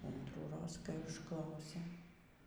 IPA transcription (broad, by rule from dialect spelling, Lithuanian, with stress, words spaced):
ɐntruːˈroːs kɐɪ ʊʃˈklˠɐʊsʲeː